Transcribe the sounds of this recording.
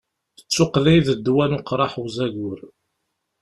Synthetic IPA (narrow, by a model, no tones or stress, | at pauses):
θə̥t͡sːʊqlijðəd̪ːwænʊqɾˤɑħwzæʝʊɾ